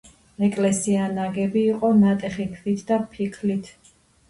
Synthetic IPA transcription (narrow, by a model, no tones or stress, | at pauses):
ɛkʼlɛsianaɡɛbiːqʼɔnat̪ʼɛχikʰlit̪ʰd̪apʰikʰlit̪ʰ